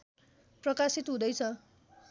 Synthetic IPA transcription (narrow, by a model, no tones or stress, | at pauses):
prʌkasit̪ɦũd̪ʌjt͡sʰʌ